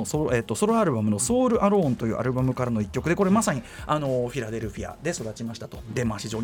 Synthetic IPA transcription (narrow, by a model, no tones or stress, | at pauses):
soɾeːt̪ːo̞so̞ɾoaɾɯ̟bamɯno̞so̞ːɾɯ̟ʔaɾõ̞ːnt̪o̞jɯ̟ːʔa̰ɾɯ̟bamɯ̟kaɾano̞ikʲːo̞kɯd̪e̞ko̞ɾe̞masaɲ̟iʔano̞ɸʲiɾad̪e̞ɾɯ̟ɸʲija̰d̪e̞so̞d̪at͡ɕimaɕi̥t̪ḁt̪o̞d̪e̞maɕiʑo̞ː